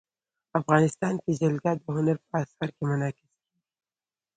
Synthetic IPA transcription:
afɣɑnɪst̪ɑːnkezalɡɑd̪əɦʊnaɾpəːsaɾkemanɑkɪski

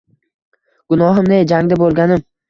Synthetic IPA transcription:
ɡ̥ʊnɒɦɪmnejd͡ʒaŋd̪abolˠɡʲanɪm

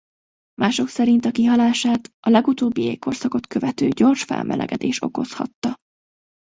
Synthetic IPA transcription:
mʔaːʃo̞ksɛɾint̪ɒkiɦɒlaːʃaːt̪ɒlɛɡut̪oːbːieːkʰːo̞rsɒko̞t̪køvɛt̪øːɟo̞rʃfɛ̰lmʔɛ̰lʔɛ̰ɡɛd̪ḛːʃo̞̰ko̞̰shɒ̰t̪ːɒ

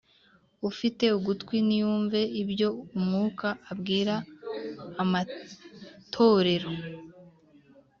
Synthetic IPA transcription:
ufite̞uɡutkwinijuːɱve̞ibɟo̞umŋuːkaːbɡiːɾaː | ma | tʰo̞ːɾe̞ɾo̞

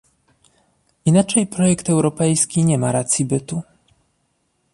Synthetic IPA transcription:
inat͡ʂɛjpɾɔjɛkt̪ɛwɾɔpɛjskʲiɲɛmaɾat̪sʲjibɘt̪u

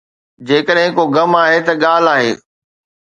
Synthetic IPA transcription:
d͡ʑeːkəɗɦɪ̃koɡɐmaːɦet̪ɐɠaːl̤aːɦḛː

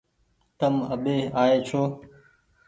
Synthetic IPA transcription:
t̪əmə̰ɓeːaːeːt͡ʃʰoː

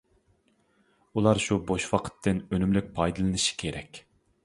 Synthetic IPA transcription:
ulˠɑɾʃuboʃwɑqʰə̥t̪ʰːɨnønymlyk̚ʲpʰɑjd̪ɨlˠɨnɨʃi̥kʲʰeɾɛkʲ

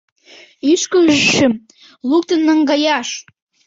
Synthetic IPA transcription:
iʃkəʒʃə̆m | luk̚t̪ə̆nːɑŋɡɑjɑʃ

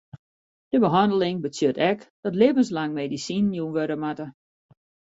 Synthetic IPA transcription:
d̥əbəɦɔndəlɪŋbət͡sjøtɛkd̥ɔtleːvənslaŋmedisinːjunʋøɾəmatə

